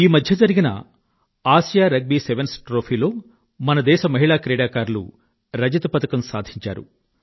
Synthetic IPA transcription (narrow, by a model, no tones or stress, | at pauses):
iːmɐd̪ʱjɐd͡ʒɐɾiɡinɐ̰ | aːʃjaːɾɐɡ̚biːseʋensʈɾoːpʰiːlo̞ː | mɐnɐd̪ɛːʃɐmɐɦiɭaːkɾɛːɽaːkaːɾlṵ | ɾɐd͡ʒɐt̪upɐt̪ɐkɐmsaːd̪ʱiɲt͡ʃa̰ːɾṵ